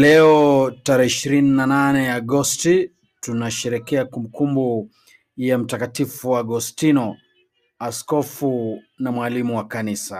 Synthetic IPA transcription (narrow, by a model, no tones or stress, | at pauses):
lɛɔtaɾɛhiʃiɾininananɛaɡɔsti | tunaʃɛɾɛkɛakumbukumbu | jam̩takatifuwaɡɔstinɔ | askɔfu | namwalimuwakanisa